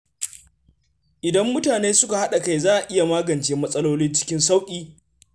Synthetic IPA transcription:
ʔɪ˨dɐ˦mːʊ˦taː˨neː˦sʊ˦ka˨ha˦ɗa˨ka˦jzaː˦ʔa˨ʔɪ˦ja˨maː˦ɡɐ˨nt͡ʃeː˦mɐ˦sʼɐ˦loː˦lɪ˦nt͡ʃɪ̥˦kʲɪ˦nsa˦wkʲʼiː˦

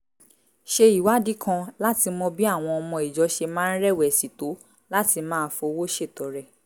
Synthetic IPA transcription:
ʃe˧i˨wa˨˦di˦kʰã˧la˦ti˧mɔ̃˧bi˦a˦˨w̃ɔ̃˧ɔ˧mɔ̃˧i˨d͡ʒɔ˨˦ʃe˧mãː˦n̩˦ɾɛ˦˨wɛ˨si˨to˨˦ | la˦ti˧mãː˦fo˧wo˦ʃe˦˨tɔ˨˦ɾɛ˦˨

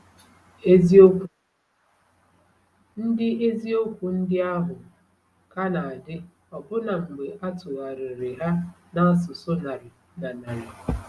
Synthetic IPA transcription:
n̩˦dɪ˦ʔe˦zi˦o˦kʷu˨n̩˦dɪ˦a˦ɦʊ˨ | ka˦na˨a˨dɪ˦ | ɔ˨bʊ˦na˨ŋ͡m̩˨ɡ͡be˨ʔa˦tʊ˨ɣa˨ɾɪ˨ɾɪ˨ɦa˦ | na˦s̬ʊ˨so˦na˨ɾɪ˨ | na˨na˨ɾa˨

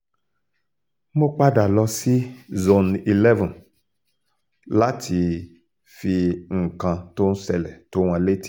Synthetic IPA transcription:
mo˦k͡pa˦da˨lɔ˧si˦zo˨ni˨lɛ˦vɔ̃˨n | la˦tʰi˧ | fi˧ŋ̩˨kã˧to˦n̩˦sɛ˧lɛ˨to˦w̃ã˧le˦ti̥˦

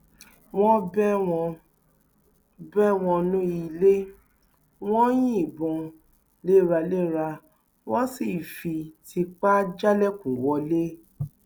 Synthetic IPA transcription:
w̃ɔ̃˦bɛ˦wɔ̃˧ | bɛ˦w̃ɔ̃˧nũ˦i˧le˦ | w̃ɔ̃˦j̃ĩ˦˨bɔ̃˧ | le˦˨ɾa˧le˦ɾa˧ | wɔ̃˦si˦˨fi˧ti˧k͡pa˦d͡ʒa˦lɛ˦kũ˨wɔ˧˦le˦

